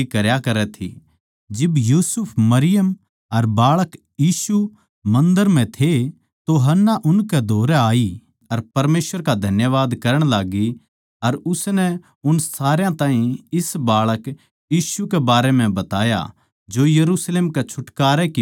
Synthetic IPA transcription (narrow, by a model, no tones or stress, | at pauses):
ikɐɾjakɐɾɛt̪ʰḭ | d͡ʒɪbjuːsʊpʰmɐɾɪjəm | ɐɾbaːɭək | jiːsu | mɐ̃nd̪əɾm̤ɛ̃t̪ʰe | t̪oɦɐnːaʔʊnkɛd̪ʱoːɾɛaːi | ɐɾpɐɾmeːsʋəɾkad̪ʱɐnjəʋaːd̪kɐɾəɽ̃laːɡi | ɐɾʊsnɛ | ʊnsaːɾjãt̪ãːɦĩɪsbaːɭək | jiːʃukɛbaːɾemɛ̃bɐt̪aːja̰ | d͡ʒoːjɐɾuːsleːmkɛt͡ʃʰʊʈkaːɾɛki